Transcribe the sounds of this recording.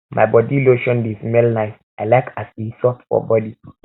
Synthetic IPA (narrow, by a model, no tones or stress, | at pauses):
mʔa̰jbɔdiloʃɔ̃ndismelnaɪs | aɪlaɪkʰasisɔtfɔ̰bɔdi